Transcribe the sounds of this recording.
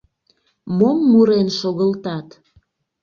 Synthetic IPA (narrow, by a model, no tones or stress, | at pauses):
momːuɾenʃoɣəlt̪ɑt̪